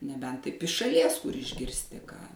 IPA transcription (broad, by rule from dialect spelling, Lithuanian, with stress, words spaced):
nʲɛˈbʲɛnt ˈtɐɪp ɪʃ ʃɐˈlʲiɛs kʊr ɪʒʲɡʲɪrʲsʲˈtʲɪ kɑː